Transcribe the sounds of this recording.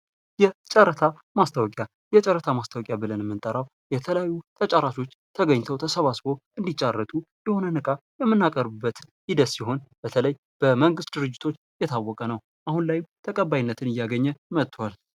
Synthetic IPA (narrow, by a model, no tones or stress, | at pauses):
jɛt͡ʃʼəɾət̪ʰa | mast̪ʰawɔkʼja | jɛt͡ʃʼəɾət̪ʰamast̪ʰawɔkʼjabɨlənmːɨnt̪ʼəɾaw | jɛt̪ʰələjajːut̪ʰət͡ʃʼaɾaʃo̞t͡ʃːt̪ʰəɡəɲːt̪ʰəwt̪ʰəsəβasbo̞ɨnd̪it͡ʃʼːarːət̪ʼund̪əho̞nənɨkʼajɛmːɨnːakʼəɾbɨbːət̪jid̪əsːiɦo̞nb̥ət̪ʰələj | b̥əməŋɡɨst̪̚d̪ɨɾɨd͡ʒːɪt̪ʰo̞t͡ʃːjɛt̪ʰawːɔkʼənəw | ʔahunlajɪmt̪ʰəkʼəbːajinːət̪ʰɨnɨjːaɡəɲːɛmət̪ʰʼːwal